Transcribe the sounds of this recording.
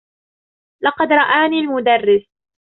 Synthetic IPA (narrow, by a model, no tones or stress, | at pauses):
lɑqɑd̪ɾˤɑʔaːniːlmʊd̪arːɪs